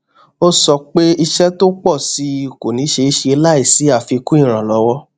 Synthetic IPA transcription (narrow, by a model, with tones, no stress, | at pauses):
o˦sɔ˧k͡pe˦i˧ʃɛ˦to˦k͡pɔ˦˨si˨˧˨ko˨nĩ˨˦ʃe˧i˦ʃe˧la˦i˦˨si˨˦a˦˨fi˧kũ˦i˦˨ɾ̃ã˨lɔ˨˧˦wɔ˦